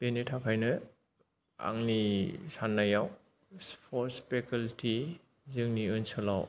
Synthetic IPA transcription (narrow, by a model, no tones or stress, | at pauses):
b̥enitʰakʰajnɯ | a̰ŋnisanːajaw | spʰɔɾspekʰaltʰi | zɯŋniɯnsɯlaw